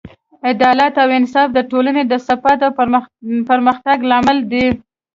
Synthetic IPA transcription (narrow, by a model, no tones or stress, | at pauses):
ɪd̪ɑlat̪awɪnsɑfd̪əʈolaned̪əsafɑt̪awpəɾməxt̪aɡlamald̪i